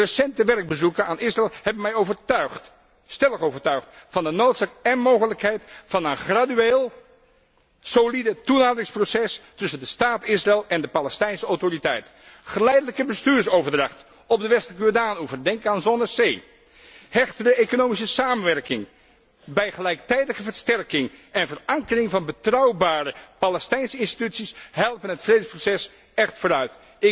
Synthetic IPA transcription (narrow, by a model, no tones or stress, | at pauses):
rəsɛntəʋɛrɡ̚bəzukənaːnɪsrɛːlˠhɛbmɛjovə | stɛləχowvəɹtœɥχtfɑndənowtsaːkɛnmowχələkɦɛjtfɑnənχradyeːlˠ | solidətunaːdərɪŋsprosɛstʏsəndəstaːtɪsrɪːlˠɛndəpalɛstɛjnsəɔwtoritɛjtχəlɛjdələkəbəstyːɹsowvəɹdrɑχt | ɔb̚dəʋɛstələkəjodaːnuvərdɛŋkaːnzɔnəsej | hɛχtərəejkonowmis̬əsaːmənʋɛrkɪŋ | bɛjχəlɛjk̚tɛjdəχəvəɹstɛrkɪŋɛnvərɑŋkərɪŋvɑnbətrɑwbaːɾəpalɛstɛjnsəɪnsti̥tytsisɦɛlˠpənɦətfrejdəsprosɛs | ɛχtfʊːɾœɥt | ɪ